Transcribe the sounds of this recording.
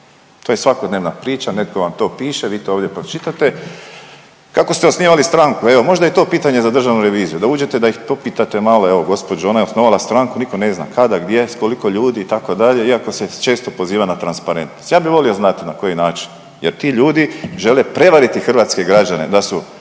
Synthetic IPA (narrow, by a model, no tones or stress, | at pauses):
t̪oːjesʋakod̪neʋnapɾiːt͡ʃane̞t̪̚ko̞ʋamt̪o̞ːpiːʃeʋiːt̪ooːʋd̪jepɾot͡ʃit̪at̪e̞ | kako̞st̪eo̞sniːʋalist̪ɾaŋkue̞ʋo̞mo̞ʒd̪ajet̪o̞ːpiːt̪aɲe̞zad̪r̩ʒaʋnuɾe̞ʋiːzijud̪auːd͡ʒe̞t̪e̞d̪aixt̪o̞piːt̪at̪emalo̞e̞ʋoɡo̞spo̞d͡ʑuo̞najeo̞snoʋalast̪ɾaŋkuniko̞ne̞zna̰kad̪aɡd̪je̞sko̞liko̞ʎuːd̪iːt̪ako̞d̪aʎe̞iako̞set͡ʃe̞ːst̪o̞po̞ziːʋanat̪ɾanspaɾe̞nt̪no̞st̪jaːbiʋo̞lio̞znat̪inako̞jinaːt͡ʃi̥n | jeɾt̪iːʎuːd̪iʒe̞le̞pɾe̞ʋaɾit̪ixr̩ʋaːt̪ske̞ɡɾad͡ʑane̞̰d̪asu